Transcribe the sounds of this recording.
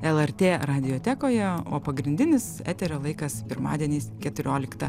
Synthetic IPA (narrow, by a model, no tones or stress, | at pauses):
ɛlˠɛrʲt̪ʲeːɾɑːd̪ʲɪjoːt̪ʲæːkoːjɛo̰ːpɐɡɾʲɪnʲd̪ʲɪnʲɪsæ̰ːt̪ʲɛɾʲoːlˠɐɪkɐspʲɪɾmɑ̰ːd̪ʲiɛnʲiːskʲɛt̪ʊɾʲoːlʲɪkt̪ɐ